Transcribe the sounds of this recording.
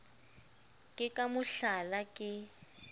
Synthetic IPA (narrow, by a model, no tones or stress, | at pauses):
kʼɪkʼamʊɬalakʼɪ